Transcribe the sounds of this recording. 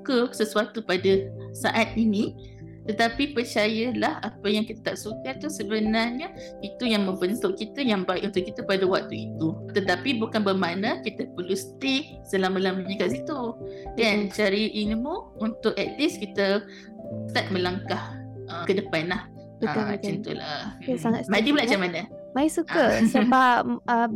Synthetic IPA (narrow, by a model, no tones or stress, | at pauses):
ukəsəsuat̪upadasaʔat̪̚inĩ | t̪ət̪apipərt͡ʃajəlahapajaŋkit̪ət̪aʔsukat̪usəbənarɲə | it̪ujaŋmə̃mbənt̪ʊʔkit̪əjaŋbaɪ̰ʔunt̪ʊʔkit̪əpadəwak̚t̪uit̪ut̪ət̪apibukanbəmanəkit̪əpərlusə̥t̪ɪ | səlaməlamuɲəkaʔsit̪ukant͡ʃaɾiʔinimuunt̪ʊʔɛt̪̚liskit̪ə | st̪at̪̚mə̃laŋkahʔəmkədəpanlah | ət͡ʃənt̪ṵla̰maŋamadiməlat͡ʃamanə | maisukəsəbapə